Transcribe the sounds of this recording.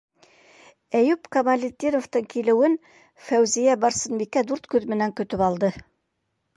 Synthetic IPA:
æjʉpkɐmɐlʲit̪ʲːiɾŏft̪ɤɴkilɘ̆wɘn | fæwzijæbɑɾsɤ̆nbikæd̪uɾt̪kʉðmɘ̆næŋkɵ̆t̪ɵpɑlˠd̪ɤ

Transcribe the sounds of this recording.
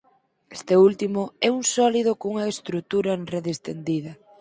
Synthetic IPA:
est̪eult̪imʊɛuŋsɔlið̞okouŋɐest̪ɾut̪uɾɐnreðest̪ḛnd̪iðɐ

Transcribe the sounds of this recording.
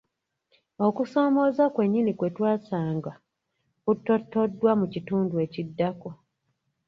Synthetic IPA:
o̞kuso̞ːmo̞zakwe̞ɲːinikwe̞twaːsaːŋɡa | kutːo̞tːo̞dːwamucituːndue̞cidːako

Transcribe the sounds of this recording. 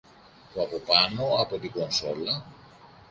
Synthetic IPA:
t̪oɐpo̞pɐno̞ɐpo̞t̪iɡo̞nso̞̰lɐ

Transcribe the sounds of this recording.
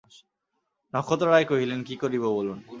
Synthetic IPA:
nɔkʰot̪ɔɾajkoɦilenkikoɾiβobolun

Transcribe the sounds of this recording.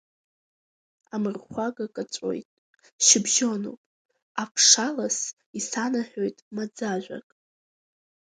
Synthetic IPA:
amɨrχʷaɡakʼat͡sʷʼo̰jtʼ | ʃɪbʒo̞no̰pʼ | apʰʂalas | isanaħʲʷᶣojtʼmad͡zaʒᶣʷa̰kʼ

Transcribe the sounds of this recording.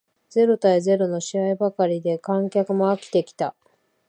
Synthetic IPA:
d͡ze̞ɾo̞t̪aeze̞ɾo̞no̞ɕiaibakaɾʲid̪e̞kãŋkʲakɯ̟mo̞akʲi̥t̪e̞kʲi̥t̪a

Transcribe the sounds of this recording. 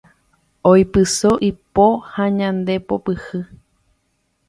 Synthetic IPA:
ojpɨsoʔipohãɲãnd̪e̞popɨhɨ

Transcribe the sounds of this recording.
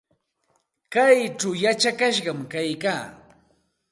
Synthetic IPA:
kajt͡ʃawjat͡ʃakaʃɢɑmkajkaː

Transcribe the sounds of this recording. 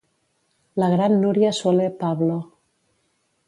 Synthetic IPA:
laɣɾanːuɾjaswolepaβlo

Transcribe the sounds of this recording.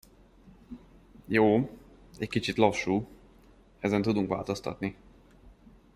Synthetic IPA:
joː | ɛckit͡ʃit̪lɒʃːuː | ɛzɛnt̪ud̪uŋkʋa̰ːlt̪o̞st̪ɒ̰t̪ni

